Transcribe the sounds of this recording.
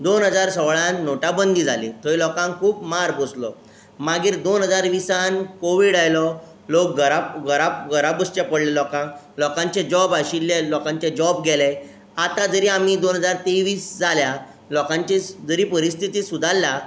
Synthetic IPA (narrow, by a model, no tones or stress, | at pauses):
d̪onɦəd͡zaɾsɔʋɭanːoʈabənd̪ʱid͡zʱalḭt̪ʰəilɔkãŋkʰuːpmaɾboslɔ̰ | maɡiːɾd̪onɦəd͡zaɾʋisankoʋiɽajlɔ | lok̚ɡəɾaɡəɾaɡəɾabəst͡ɕapəɽlelɔkãŋ | lɔkãɲt͡ɕed͡ʑɔbaɕilːjelɔkãɲt͡ɕẽd͡ʑɔbɡɛle | at̪ad͡zəɾiːam̤id̪onɦəd͡zaɾt̪eʋiːsd͡zʱalja | lɔkãɲt͡ɕed͡zəɾiːpəɾist̪ʰit̪iːsud̪ʱalːa